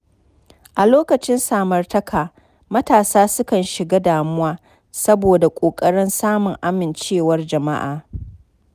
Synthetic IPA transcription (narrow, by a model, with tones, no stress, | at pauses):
ʔa˨loː˦kɐ˨t͡ʃɪ˦nsaː˨mɐ˨rtɐ˦kʰaː˨ | mɐ˦taː˨saː˦sʊ˦kɐ˨nʃɪ˨ɡaː˦daː˨mʊ˦waː˦ | sɐ˦boː˨da˨kʷʼoː˨kʼɐ˦ɽɪ˦nsaː˦mʊ˨ŋʔa˦mɪ˨nt͡ʃeː˦˨wɐ˦rd͡ʒɐ˨ma̰˦ʔa̰ː˨